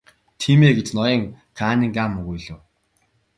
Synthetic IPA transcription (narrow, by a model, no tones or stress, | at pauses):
t̪ʰiːmeːɡet͡ɕnɔjĭːŋ | kʰaːniːŋɡaːmːɵɣujɮɘ̆w